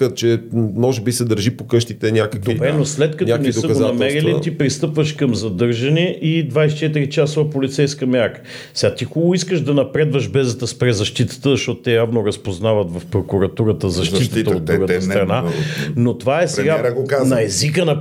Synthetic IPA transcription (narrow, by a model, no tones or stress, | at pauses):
ət̪̚t͡ʃɛmɔʒɛbisɛd̪əɾʒipokɤʃt̪it̪ɛnʲakəkd̪oibɾɛnoslɛt̪̚kɐt̪naonɛsd̪əɡonɐmɛɾiliipɾist̪ɤpvəʃkɐmzɐd̪ɤɾʒɐnɛʔʔid̪vajst͡ʃɛt̪iɾit͡ʃasovɐpolit̪sɛjskəmʲjaɾkə̥ | sɛɡat̪ixɔlˠoiskəʒd̪ɐnɐpɾɛd̪vəʃbɛzət̪əspɾɛzɐʃt̪it̪ə̥t̪əzɐʃt̪ɔt̪o̥t̪ːɛjavnoɾɐspoznavət̪vɐfpɾokuɾɐt̪uɾət̪əzɐʃt̪iʃt̪ət̪ɐod̪d̪ɾuɡət̪əst̪ɾɐnanot̪ovaɛsɛɡaɾɡokanɐɛzikənɐ